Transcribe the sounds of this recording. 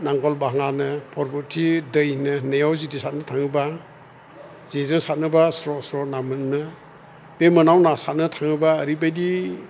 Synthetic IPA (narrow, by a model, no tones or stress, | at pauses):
naŋɡɔlbaɦaŋanɯpʰɔɾbɔtʰidəjnɯnejawzidisat̚nɯtʰaŋɯba | z̥izɯŋsat̚nɯbasɾɔsɾɔnamɯnnɯ | b̥emɯnawnasat̚nɯtʰaŋɯbaːɾibajdi